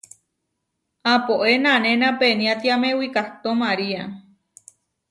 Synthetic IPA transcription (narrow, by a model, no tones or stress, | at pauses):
apoʔenãnẽnãpenĩãt̪iamẽwikat̪omaɾia